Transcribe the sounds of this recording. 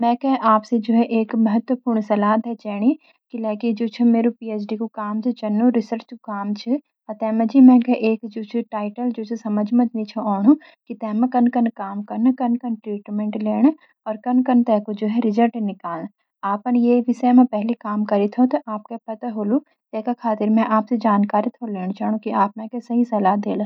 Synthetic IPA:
mɛ̃ːkɐɦʔaːpsed͡ʒoːɦɛʔeːkmɐɦət̪wəpuːɾɳ̃sɐlaːd̪ɦɛt͡ʃɛːɽ̃i | kilaːkid͡ʒoːt͡ʃʰɐmeːɾopiːeːsɖikokaːmt͡ʃʰit͡ʃɐnːoɾɪsəɾt͡ʃokaːmt͡ʃʰi | ɐt̪ɛːmɐ̃d͡ʒiːmɛ̃ːkɐʔeːkd͡ʒoːt͡ʃʰiʈaːɪʈəld͡ʒoːsʰesɐməd͡ʒʱmɐt̪mĩt͡ʃʰoɔːnu | kit̪ɛːmẽkɐnkɐnkaːmkɐɾnkɐnkɐnʈɾiːʈmẽɳʈleːɽ̃ | ɔːɾkɐnkɐnt̪ɛːkod͡ʒoːɦɛɾɪd͡ʒəɾʈenɪkaːln | aːpɐnjeʋɪsəjmẽpɛɦlikaːmkɐɾit̪ʰot̪ɐʔaːp̚kapɐt̪aɦoːlu | t̪ɛːkakʰaːt̪ɪɾmɛ̃ʔaːpsed͡ʒaːnkaːɾit̪ʰoleːɽ̃t͡ʃɐːɽ̃õkiaːp̚nɐ̃kesɐɦisɐlaːd̪eːlː

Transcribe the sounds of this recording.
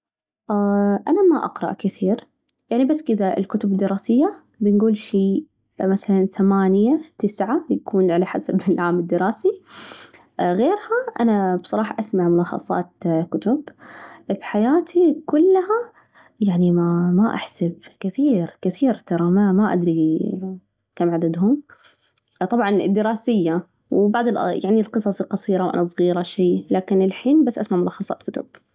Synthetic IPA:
ʔaʔanamaʔɑ̰qɾˤɑ̰ʔkɪθiːɾ | jaʕnibasːkɪðaʔɪ̰lkʊt̪ʊbd̪ːɪɾˤɑːsɪjːa | bɪnɡuːlʃiː | maθalanθamaːnɪjat̪ɪsʕajakʰuːnʕalaħasabɪlʕaːmɪd̪ːɪɾˤɑːsi | ɣeːɾhaʔanabsˤɑɾˤɑːħɑʔasmaʕmʊlɑːxɑ̰sˤɑ̰ːt̪kʊt̪ʊb | bħajaːt̪ʰikʊlːha | jaʕnimamaʔa̰ħsabkɪθiːɾkɪθiːɾt̪ɑɾˤɑmamaʔad̪ɾi | kamʕad̪ad̪ɦʊm | t̪ˤɑbʕɑnɪ̰d̪ːɪɾɑːsɪjːa | wbaʕd̪ˤɪlʔjaʕnilqɨsˤɑsˤqɑsˤiːɾawʔa̰nas̬ˤɣiːɾaʃiːlaːkɪnɪlħiːnbasːʔasmaʕmʊlɑːxɑsˤɑ̰ːt̪̚kʊt̪ʊb̥̚

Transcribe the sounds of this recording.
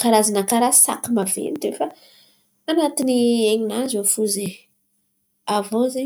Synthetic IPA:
kaɾazanakaɾasa̰kimavḛnt̪efaː | nat̪inieɲinazofuze | avoze

